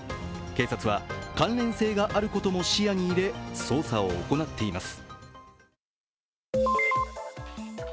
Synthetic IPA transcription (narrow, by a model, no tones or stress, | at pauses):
ke̞ːsat͡sɨβakãnɾẽ̞ɰ̃se̞ːɡaʔaɾɯ̟ko̞t̪o̞mo̞ɕijaɲ̟iːɾe̞so̞ːsao̞̰ːko̞nat̪ːe̞imasɨ̥